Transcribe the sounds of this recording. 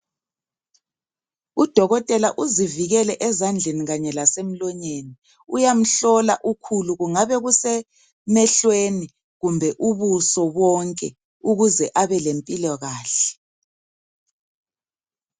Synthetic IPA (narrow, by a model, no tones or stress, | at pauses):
ud̥ʱɔɣɔtʼɛlaʔuziviɣɛlɛʔɛzand͡ɮʱeniɣaɲɛlasem̩lɔɲeni | ujam̩ɬɔlaʔukʰuluɣuŋaβɛɣusɛ | mɛɬweni | ɣumbʱɛʔuβusɔβɔŋkʼɛ | uɣuzɛʔaβɛlempʼilɔɣaːɬɛ̥